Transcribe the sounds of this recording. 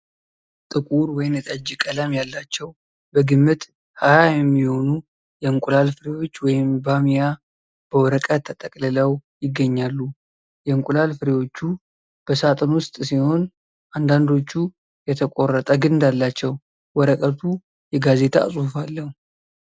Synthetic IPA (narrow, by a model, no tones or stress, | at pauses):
t̪ʼɨkʼuɾwɔjɪmjɛt̪ʼəd͡ʒikʼəlamjalːat͡ʃːɛw | bəɡɨmːɨt̪ʼ | hajajɛmːiho̞nu | jɛɨŋkʼulalfɨɾewo̞t͡ʃːwɔjɪmbamija | b̥əwɔɾəkʼət̪ʰːət̪ʼəkʼlɨləwjɪɡːəɲːalːu | jɛŋkʼulalfɨɾewo̞t͡ʃːu | b̥əsat̪ʼɨnwʊst̪ʼsiho̞n | ʔand̪and̪o̞t͡ʃːu | jɛt̪ʰəkʼorːət̪ʼəɡɨnd̪alːat͡ʃːɛw | wɔɾəkʼət̪ʰu | jɛɡaze̞t̪ʰa̰sʼhufalːəhu